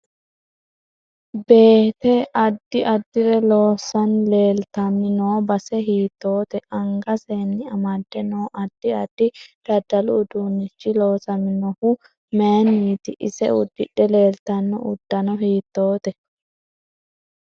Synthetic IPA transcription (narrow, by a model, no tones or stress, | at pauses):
be̞ːt̪ɛʔɐd̪ːɪʔɐd̪ːɪɾɛlo̞ːsɐnle̞ːlt̪ɐmːɪnoːbɐsɛɦiːt̪ːo̞ːt̪ɛʔɐŋɡɐseːnːɪɐmɐd̪ːɛnoːʔɐd̪ːɪɐd̪̥ːɪd̪̥ɐd̪ːɐlʊːd̪unːɪt͡ʃːɪlo̞ːsɐmːɪnɔhʊ | meːniːt̪ɪʔɪsɛ̰ʊd̪ːɪɗːɛle̞ːlt̪ɐnːɔ̰ʊd̪̥ːɐnɔɦiːt̪ːo̞ːt̪ɛ